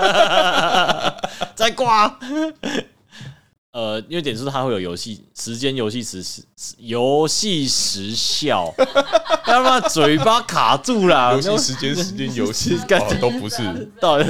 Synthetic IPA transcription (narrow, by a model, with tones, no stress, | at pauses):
t͡sa˥˧ɪkwa˥˧˩ | ə˨i˥nwe˥˩t̪jɛ˨˩su˥˧t̪ʰa˦˥xwe˥˩jo˨˩jo˨˧˥ʊɕi˥˩ | ʂɻ̩˧˦t͡ɕjɛ˦njo˧˥ʊɕi˥˩ʂɻ̩˧˥jo˨˦ʊɕi˥˨ʂɻ̩˧˦ɕjɑ˥˨ʊ | ja˥˧˥ma˥˩t͡swe˨˩ɪpa˦˥kʰa̰˨˩t͡su˥˨la˨˥ʂ̩˧˦t͡ɕjɛ˥˦nʂ̩˧˦t͡ɕɛ˦njo˧˦ʊi˥˧ka˥t̪o˦ʊpu˨˦ʂɻ̩˥˨˩t̪